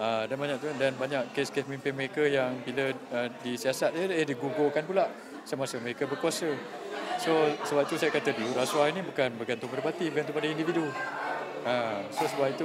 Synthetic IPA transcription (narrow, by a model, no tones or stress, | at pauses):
adanbaɲak̚t̪udanbaɲakkːeskespəmimpɪnməɾekəjaŋbiləədisiasat̪̚jəehdiɡuɡokanpulaʔ | səmasəməɾekəbərkuasəsosəbap̚t̪usajakat̪əduɾasuainĩbukanbəkant̪umpaɾəpat̪ibəkant̪upadaindividu | ãsosəbapit̪u